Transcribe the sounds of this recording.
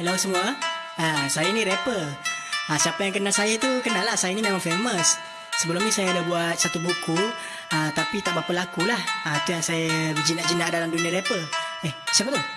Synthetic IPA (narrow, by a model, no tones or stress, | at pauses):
əlausəmua | asajainiɾepərasiapajaŋk̬ənasajat̪ukənalahsajaninamanferməs | səbəlɔmɲisajadabuat̪̚sat̪ubuku | at̪apit̪aʔbapalakulahət̪ujaŋsajabəd͡ʒinaʔd͡ʒinadalamdunĩaɾepəresiapat̪u